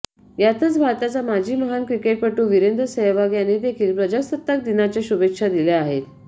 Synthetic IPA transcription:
jat̪ət͡sbʱaɾt̪at͡samad͡ʑʱiːməɦankɾikeʈ̚pəʈuːʋiɾend̪əsəɦʋaɡjaned̪ekʰiːlpɾəd͡ʑəsət̪ːək̚d̪inat͡ɕjaɕubekʂad̪ileaɦet̪

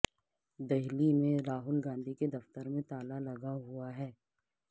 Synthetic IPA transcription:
d̪ɛɦlimẽɾaːɦʊlɡãːnd̪ʱiked̪ɐft̪əɾmẽt̪aːlalɐɡaɦʊaɦɛː

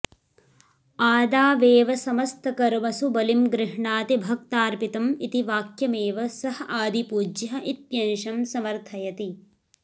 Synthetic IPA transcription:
aːd̪aːʋeːʋɐsɐmɐst̪ʰɐkɐɾʋɐsubɐlimɡɾɪɦɳaːt̪ibʱɐkt̪aːɾpit̪ɐmit̪iʋaːkjɐmeːʋɐsɐɦɐʔaːd̪ipuːd͡ʒjɐɐʔit̪jɐnʃɐmsɐmɐɾt̪ʰɐjɐt̪i

